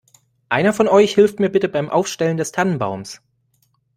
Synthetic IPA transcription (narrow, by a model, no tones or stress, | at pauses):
ʔaɪnɐfɔnɔʏçhɪlftmiːɐbɪtəbaɪmʔa̰ʊfʃtɛləndɛstʰanənba̰ʊms